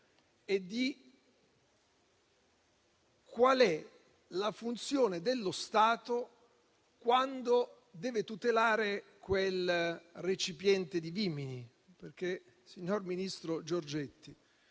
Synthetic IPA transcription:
ed̪ːi | kwalɛ | lafunt̪sjoːned̪elːost̪aːt̪o | kwand̪o | d̪ɛːvet̪ut̪elaːɾekwelret͡ʃipjɛnt̪ed̪ivimini | perk̟e | siɲːorminist̪ɾod͡ʒord͡ʒɛt̪ːi

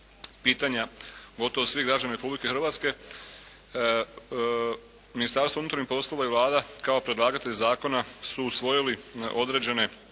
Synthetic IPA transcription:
piːt̪aɲaɡo̞t̪oʋosʋiɡɾad͡ʑanaɾepublike̞xɾʋaːt̪ske̞ | minist̪aɾst̪ounuːt̪ɾaɲihpo̞slˠo̞ʋaiʋlˠaːd̪akao̞pɾed̪lˠaːɡat̪e̞ʎezaːko̞nasuːsʋo̞jiliʔo̞d̪ɾe̞d͡ʑe̞ne̞

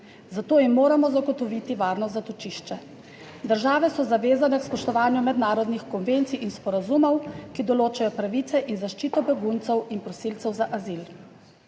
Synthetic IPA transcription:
zat̪oːjimːoːɾamɔzaɡɔt̪ɔʋit̪iʋaːɾnɔzat̪ɔt͡ʃiʃt͡ʃɛ | d̪əɾʒaːʋɛsɔzaʋeːzanɛkspɔʃt̪ɔʋaːnjumɛd̪naːɾɔd̪nixkɔnʋent̪sijʔinspɔɾazumɔwkid̪ɔloːt͡ʃajɔpɾaʋiːt̪sɛʔinzaʃt͡ʃiːt̪ɔbɛɡunt̪sɛwinpɾɔsilt̪sɛwzaʔazil

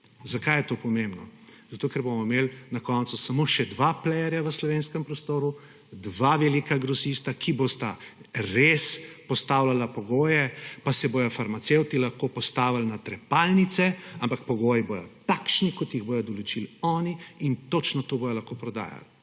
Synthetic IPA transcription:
zakajɛt̪opɔmembnɔzɐt̪oːkɛɾbomɔmelnakɔnt̪susamoʃɛd̪ʋaplɛjɛɾjaʋəslɔʋeːnskɛmpɾɔst̪oːɾu | d̪ʋaʋɛlikaɡɾɔsist̪akʰibost̪aɾespɔst̪aːwlalapɔɡoːjɛpasɛbojɔfaɾmat̪sewt̪ilɐxkopɔst̪aːʋalnat̪ɾɛpalnit̪sɛampak̚pɔɡoːjibojɔ̰t̪akʃnikɔt̪jiɣboːjɔd̪ɔlɔt͡ʃilɔːniint̪ot͡ʃnɔt̪obojɔlɐxkopɾɔd̪a̰ːja̰l

